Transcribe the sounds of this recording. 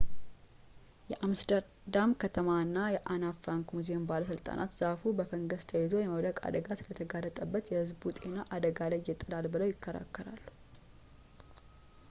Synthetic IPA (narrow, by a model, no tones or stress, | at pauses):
jɛʔamsd̪əɾ | d̪amkʰət̪ʰəmaɨnːajɛʔanafɾaŋkmuzembaləs̬ɨlt̪ʼa̰nʔa̰t̪z̥afubəfəŋɡəst̪ʰəjɛzo̞jɛməβd̪əkʼa̰d̪əɡasɨlət̪ʰəɡalːət̪ʼəbːət̪jɛhɨzbut̪ʼenaʔad̪əɡaləjːɪt̪ʼːɨlalbɨləwjɪkʰːəɾa̰kːəɾa̰lːu̥